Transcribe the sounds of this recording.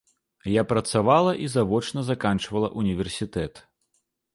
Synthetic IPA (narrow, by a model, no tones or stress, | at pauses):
japɾɐt̪savalˠɐʔizavɔt͡ʂnɐzakant͡ʂvɐlˠɐ̰ʔunʲivʲɛrsʲit̪ɛt̪